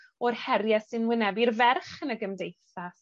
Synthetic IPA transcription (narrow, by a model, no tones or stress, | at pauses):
ɔrhɛrjasɨnwɪnɛbirvɛrχənəɡəmdejθa